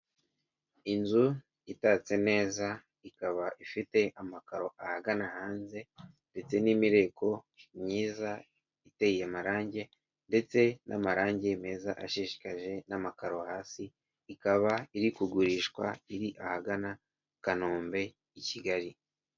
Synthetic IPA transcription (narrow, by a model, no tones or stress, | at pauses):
inzu | itat͡se̞ne̞ːza | ikaβaʔifite̞ʔamakaɾo̞ahaɡanahaːnze̞ | nde̞t͡se̞nimiɾe̞kʰo̞ | mɲiːza | iteijemaɾaːɲɟe̞ | nde̞t͡se̞na̰maɾaːɲɟe̞me̞zaʔaʃiʃi̥kaʒe̞namakaɾo̞haːsiː | kaβaiɾikuɡuɾiːʃkwa̰iɾiʔahaɡana | kanoːmbe̞ | iciɡaɾi